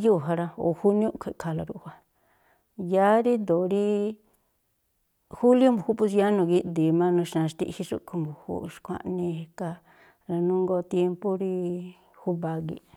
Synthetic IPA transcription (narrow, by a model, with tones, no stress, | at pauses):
ju˦˨ɦa˧ɾa˧o̰˨hu˦nj̃ũ˦kʰʷe˨kʰa˧la˧ɾṵ˧ʔha˧ | ja˦ɾi˦d̪o˨ɾi˦ | hu˦ljo˦mbu˨hu˦pu˧s̬a˦nũ˧ɣi˧ʔd̪i˨mã˦nũ˧ʃã˧ʂt̪ḭ˦ʔhi˧ʂṵ˦ku˧mbu˨hṵ˦˧ʂkʷa̰˧ʔnĩ˧e˧ka˧ | ɾa˧nũ˦ŋɡo˧t̪je˧mpu˦ɾi˧ | hu˦βa˧ɣḭ˧